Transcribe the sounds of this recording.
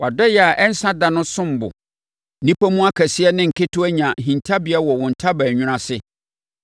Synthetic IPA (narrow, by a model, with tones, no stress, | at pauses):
wʔa˨dɛ˦jɛ˨a˨ʔɛ˦n̩˦sã˦dã˨nʊ̃˦sʊ̃˦m˨bʊ̰˨ | nĩ˦pʰa˦mũ˦a˦kʰæ˨sɪ˦ɛ˦nɪ̃˦ŋ̩˨kɪ˦tʰʊ˦æ˦ɲã˨ɦĩ˨ntʰa˦bɪ˨a˦wɔ˨wʊ̃˨n̩˨tʰa˦bæ˨ɲᶣʊ̃˦ɾã˦sɪ˦